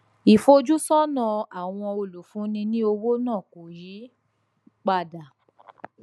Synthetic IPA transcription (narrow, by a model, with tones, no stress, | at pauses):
i˨fo˧d͡ʒu˦sɔ˦nã˦˨a˨w̃ɔ̃˧o˧˨lo˨˦fũ˨˦nĩ˧nĩ˦o˧wo˦nãː˦˨ko˨jiː˨˦ | k͡pa˧˨da˨